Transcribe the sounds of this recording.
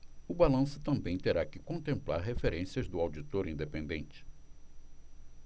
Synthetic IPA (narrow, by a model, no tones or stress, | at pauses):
ʊbalɐ̃sʊt̪ɐ̃mbẽj̃t̪eɾakɪkõnt̪ẽmpla̰ɾɦefeɾẽsiɐzd̪ʊawd͡ʒit̪oɾĩnd̪epẽnd̪ẽnt͡ʃɪ̥